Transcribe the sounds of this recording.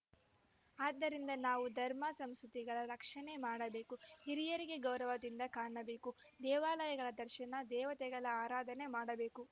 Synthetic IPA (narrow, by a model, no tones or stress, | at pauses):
aːd̪ːɐɾind̪ɐnaːʋud̪ʱɐɾmasɐmsut̪iɡɐɭɐɾɐkʂɐnemaːɽɐbe̞ːkuɦiɾijɐɾiɡe̞ɡɐwɾɐʋɐd̪ind̪ɐkaːɳɐbe̞ːku | d̪ɛːʋaːlɐjɐɡɐɭɐd̪ɐɾʃɐnɐd̪ɛːʋɐt̪ɛɡɐɭɐaːɾaːd̪ʱɐne̞maːɽɐbe̞ːku